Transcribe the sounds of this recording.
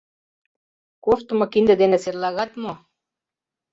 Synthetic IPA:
koft̪umakind̪ad̪enaseɾlaɣat̪mo

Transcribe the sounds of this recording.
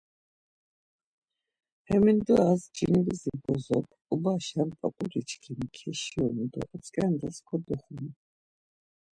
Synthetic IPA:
hɛmind̪ɔazd͡ʒinilizibɔzɔkʰubaʃanpʼa̰kʼuɾit͡ʃʰkʰimkʰɛʃiɔnd̪ɔ̰ʔɔt͡sʼkʼand̪askʰɔd̪ɔχun

